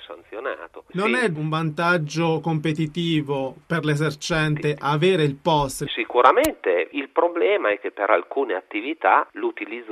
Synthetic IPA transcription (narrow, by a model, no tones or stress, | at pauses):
sa̰nt̪sjona̰ːt̪ononɛuɱvant̪ad͡ʒːokompet̪it̪iːvoperlezert͡ʃɛnt̪eʔaveːɾeilpɔst̪sikuɾament̪eilpɾoblɛːmaɛk̟ːepːeɾa̰lkuːneat̪ːivit̪a̰lut̪ilid̪z